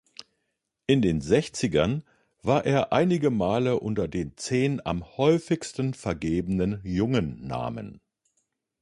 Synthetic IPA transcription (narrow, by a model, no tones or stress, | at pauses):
ʔɪndeːnzɛçt͡sɪɡɐn | vaːɐʔeːɐʔaɪnɪɡəmaːləʔʊntɐdeːnt͡seːna̰mhɔʏfɪçstn̩fɛɐɡeːbənənjʊŋənːa̰ːmə̰n